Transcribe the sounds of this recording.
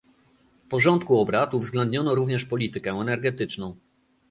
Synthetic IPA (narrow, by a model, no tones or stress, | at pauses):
fpɔʐɔnt̪kuɔbɾat̪uvzɡlɛnd̪ɲɔnɔɾuvɲɛʂpɔlʲit̪ɘkɛ̃ɛnɛɾɡɛt̪ɘt͡ʂnɔ̃w̃